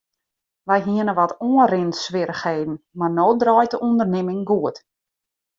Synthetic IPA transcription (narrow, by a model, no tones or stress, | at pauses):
ʋɛjɦiənəʋɔtoənrɪnsʋɪɾəxheːdn̩marnoːdrɔːjtəʔundərnɪmɪŋɡuət